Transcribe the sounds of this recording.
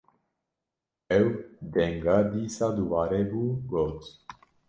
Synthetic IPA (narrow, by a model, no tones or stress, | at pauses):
ewd̪eŋɡad̪isad̪uvaɾebuɡot͡s